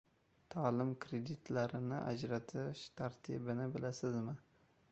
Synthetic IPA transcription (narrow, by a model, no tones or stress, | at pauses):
t̪ʰalɪmkʰɾed̪it̪ʰlaɾɪnɪʔa̰d͡ʒɾat̪ʰɪʃt̪ʰaɾt̪ʰḭbɪnɪbɪlasɪzmɪ